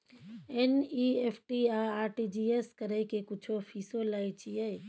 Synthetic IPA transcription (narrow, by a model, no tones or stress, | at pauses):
eniːeːpʰʈiːaːaːɾʈid͡ʒiːeskəɾekekʊt͡ʃʰopʰiːsolait͡ʃijɛ